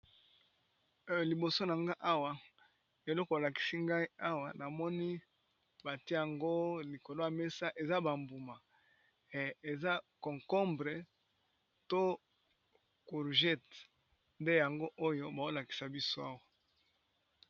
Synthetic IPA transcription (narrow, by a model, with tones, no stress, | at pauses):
li˨bo˨so˦na˨ŋɡa˦ʔa˦wa˨ | e˨lɔ˦kɔ˨o˨la˨ki̥˨si˦ŋɡa˦i˦a˦wa˨na˨mɔ˦ni˦ | ba˨ti˦˨a˨ŋɡo˦li˨ko˨lo˦ja˨me˦sa˦ʔe˨za˦ba˨mbu˨ma˨ | e˨za˦kɔ̃˨ŋkɔ˦mbʁe˨ | to˦ | ku˨ʁʒɛ˦t | nde˦ja˨ŋɡo˦ʔo˦jo˦ba˨o˦la˨ki̥˨sa˨bi˦so˦a˦wa˨